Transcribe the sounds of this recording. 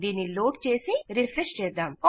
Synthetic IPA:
d̪iːnːiloːʈt͡ʃeːsiɾifɾeʂt͡ʃɛːd̪aːmkɔ

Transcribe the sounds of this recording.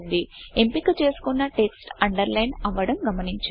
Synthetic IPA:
nd̪iempikut͡ʃe̞ːsu̥kunːɐʈe̞ksʈɐɳɖɐɾlɐjnɐʋːɐɽɐmɡɐmɐniɲt͡ʃ

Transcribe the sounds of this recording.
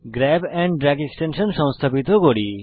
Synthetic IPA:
ɡɾɛbɛ̃ɳɖɖɾɛɡeksʈenʃənʃɔ̃w̃st̪ʰapit̪oɡoɽi

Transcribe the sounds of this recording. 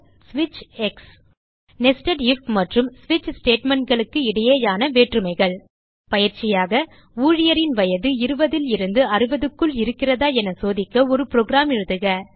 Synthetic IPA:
sʋɪt͡ʃɛks | nɛsʈɐɽɪfmɐʈrɯmsʋɪt͡ʃːsʈeːʈmɛɳʈ̚ɡɐɭɯkːɯɪɽɐjeːjaːnɐʋeːʈrɯmɐɪɣɐɭ | pɐjɪɾt͡ʃɪjaːɣɐ | uːɻɪjɐɾɪnʋɐjɐðɯɪɾɯbɐðɪlɪɾɯnd̪ɯɐrɯʋɐðɯkːɯɭɪɾɯkːɪrɐðaːɛnɐsoːðɪkːɐɔɾɯpɪɾoːɡɾaːmɪɻɯðɯɣɐ

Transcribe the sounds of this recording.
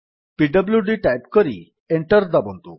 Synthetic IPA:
piɖəbljuɖiʈajpkəɾḭ | eɳʈəɾd̪abɔnt̪u

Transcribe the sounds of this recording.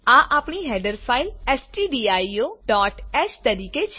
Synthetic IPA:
ãːʔaːpɳiːɦɛːɖəɾpʰaːɪlɛːsʈiːɖiːaːioːɖɔːʈɛːt͡ʃt̪əɾiːket͡ʃʰ

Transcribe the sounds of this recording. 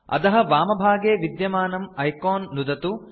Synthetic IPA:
ɐ̰t̪ɐɦɐʋaːmɐbʱaːɡeːʋid̪jɐmaːnɐmɐjkoːnːud̪ɐt̪u

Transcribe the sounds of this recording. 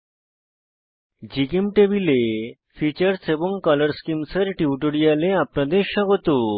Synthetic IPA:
d͡ʑikemʈebile | fit͡ɕaɾseboŋkɔlɐɾskimseɾʈiuʈoɽijaleapnad̪eɾʃɔɡot̪o

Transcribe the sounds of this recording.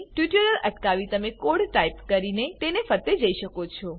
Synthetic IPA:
ʈʋiʈəɾələʈkaʋit̪əmekoɽʈaipkəɾinet̪enefət̪ed͡ʒəiʃəkot͡ʃʰɔ

